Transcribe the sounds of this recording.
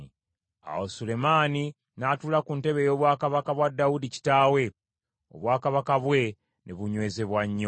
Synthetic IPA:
a̰wosule̞maːni | naːtulakunte̞βe̞jo̞ːβwaːkaβakaβwadːaudici̥taːwe̞ | o̞̰βwaːkaβakaβwe̞ | neβuɲwe̞ːze̞βwaɲːo

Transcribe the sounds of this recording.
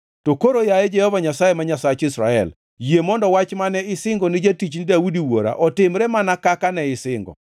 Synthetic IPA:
tokoɾojajɛd͡ʒɛhɔvaɲasajemaɲasat͡ʃɪsɾaɛ̰l | jemɔndɔwat͡ʃmanɛɪsɪŋɡɔnɪd͡ʒetit͡ʃnidaudiwoɾa̰ʔɔtɪmɾɛmanakakanɛɪsɪŋɡɔ̰

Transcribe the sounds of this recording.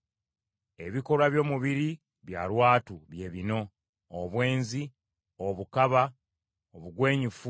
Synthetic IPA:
e̞βiko̞laβjo̞ːmuβiɾi | βja̰ːlwaːtuβje̞ːβino̞ | oβwe̞ːnzi | oβukaβa | oβuɡwe̞ːɲufu

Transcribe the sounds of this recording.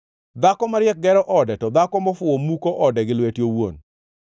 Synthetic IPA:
d̪akɔmaɾɪjɛk̚ɡɛɾɔʔɔdɛtɔd̪akɔmɔfʊwomukoʔɔdɛɡɪlwetjowo̰n

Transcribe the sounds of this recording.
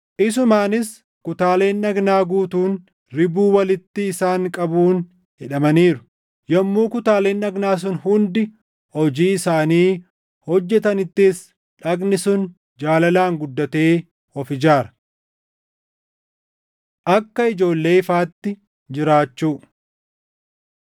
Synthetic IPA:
ʔɪs̬ʊmaːnɪs | kʊt̪aːle̞ːnːɐɡnaːɡuːt̪uːn | ɾɪbuːwɐlɪt̪ːɪːsaːŋkʼɐbuːn | hɪᶑɐmɐniːɾʊ̥ | jɐmːuːkʊt̪aːle̞ːnːɐɡnaːs̬ʊnhʊnd̪ɪ | hɔd͡ʒiːɪsaːniː | hɔd͡ʒːɛt̪ɐnɪt̪ːɪs | ᶑɐɡnɪsʊn | d͡ʒaːlɐlaːŋɡʊd̪ːɐt̪e̞ː | ɔfɪd͡ʒaːɾɐ̥ | ʔɐkːɐɪd͡ʒo̞ːlːe̞ːɪfaːt̪ːɪ | d͡ʒɪɾaːt͡ʃːuː

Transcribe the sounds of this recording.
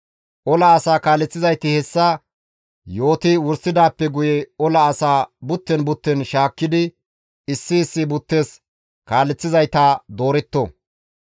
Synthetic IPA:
ʔɔlɐːsaːkaːlːɛt͡sːɪzɐjt̪ɪhɛsːɐ | jo̞ːt̪ɪwʊɾsːɪd̪aːpːɛɡʊjɛɔlɐːsaːbʊt̪ːɛnbʊt̪ːɛnʃaːkːɪd̪ɪ | ɪsːɪːsːɪbʊt̪ːe̞ːs | kaːlːɛt͡sːɪzɐjt̪aːd̪o̞ːɾɛt̪ːo

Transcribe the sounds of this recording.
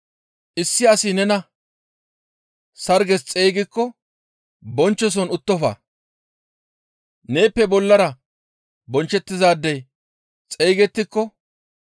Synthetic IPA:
ʔɪsːɪɐsɪnɛnɐ | sɐɾɡɛst͡sʼe̞ːɡɪkːɔ | bɔnt͡ʃːɔs̬ɔnʊt̪ːɔfɐ̰ː | ne̞ːpːɛbɔlːɐɾɐ | bɔnt͡ʃːɛt̪ːɪzaːd̪ːɛj | t͡sʼe̞ːɡɛt̪ːɪkːɔ

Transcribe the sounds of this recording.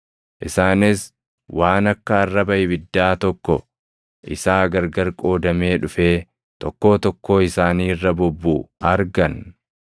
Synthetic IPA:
ʔɪsaːnɪs | wʔaːnɐkːɐːrːɐbɐʔɪbɪd̪ːaːt̪ɔkːɔ | ʔɪ̰saːɡɐɾɡɐɾkʼo̞ːd̪ɐme̞ːᶑʊfe̞ː | t̪ɔkːo̞ːt̪ɔkːo̞ːɪsaːniːrːɐbɔbːuːɐɾɡɐn

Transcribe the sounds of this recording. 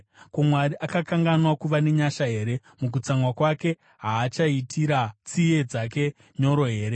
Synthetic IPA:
komwaɾiʔakakaŋɡanwakuʋane̞ɲaʃaɦe̞ːɾe̞ | muk̬ut͡saŋwakwake̞ | ɦaːt͡ʃaitʰiɾat͡sie̞d͡zak̬e̞ | ɲo̞ɾo̞ɦe̞ːɾe

